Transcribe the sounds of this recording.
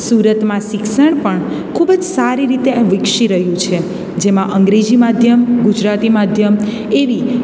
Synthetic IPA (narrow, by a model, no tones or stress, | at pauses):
suɾət̪mãʃɪkʃəɳpəɳ | kʰubəd͡ʒsaɾiɾit̪ẽʋɪkʃiɾəɦjũt͡ʃʰe | d͡ʒemãʔəŋɡɾed͡ʒimad̪ʱjəmɡud͡ʒɾat̪imad̪ʱjəm | eʋi